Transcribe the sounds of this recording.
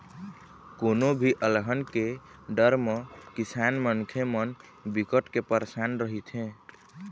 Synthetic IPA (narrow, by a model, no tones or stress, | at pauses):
konobʱiʔəlɦənkeɖəɾmekisanmənkʰemən | bikəʈkepəɾsanɾəɦit̪ʰẽ